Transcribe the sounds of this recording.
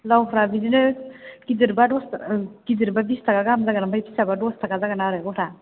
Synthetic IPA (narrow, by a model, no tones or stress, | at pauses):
lawɦɾabidinɯkidiɾbadɔskidiɾbabistʰakaɡamzaɡanambajpʰi̥sabadɔstʰakazaɡanaɾɯɔhɾa